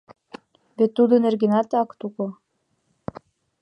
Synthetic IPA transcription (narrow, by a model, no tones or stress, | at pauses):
βet̪ːud̪ɤ̆nerɡĕnɑt̪ɑkt̪ukŏ